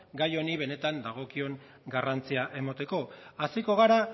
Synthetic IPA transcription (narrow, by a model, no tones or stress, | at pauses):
ɡajo̞niβe̞ne̞t̪and̪aɣ̞o̞kio̞ŋ | ɡarant͡siaʔe̞mot̪e̞ko̞asiko̞ɣ̞aɾa